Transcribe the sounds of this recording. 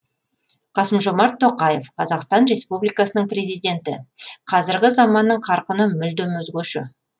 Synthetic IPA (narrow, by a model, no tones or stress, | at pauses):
qʰɑsəmʒo̞mɑɾt̪ʰːoqɑje̞fqʰɑzɑqst̪ɑnɾe̞spublijkɑsənəɴpre̞zijd̪ʲe̞nt̪ɪqʰɑzɪɾɡʲɪzɑmɑnːəɴqʰɑɾqənəmʏld̪ɵmɵzɡʲɵʃɪ̰